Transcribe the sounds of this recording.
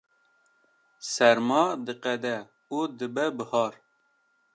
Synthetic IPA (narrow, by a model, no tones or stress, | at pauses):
sɛɾmɑːd̪ɨqɛd̪ɛ | ud̪ɨbɛbɨhɑːɾ